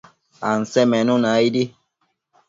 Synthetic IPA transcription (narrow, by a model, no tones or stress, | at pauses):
an̩sɛmɛnũnaidi